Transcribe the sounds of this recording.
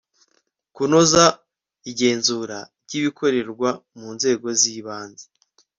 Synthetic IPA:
kuno̞za | iɟe̞ːnzuːɾa | ɟiβikʰo̞ɾe̞ɾɡwamuːnze̞ːɡo̞ziːβaːnze̥

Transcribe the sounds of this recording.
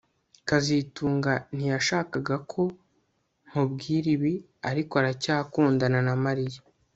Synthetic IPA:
kazituːŋɡan̥ijaʃaːkaɡakʰo̞ | m̥ubɡiːɾiβi | aɾikoaɾacaːkuːndananamaɾiɾa

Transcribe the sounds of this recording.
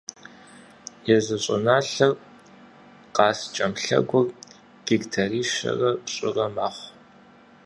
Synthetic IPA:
jɛzɨɕʼɪ̰naːɬɐr | qʼɑːst͡ʃʼɐmɬɐ̰ɡʷʊr | ɡ̥iɡtʰɐriːʃɐ̰rɐpɕʼɪrɐmaːχʷ

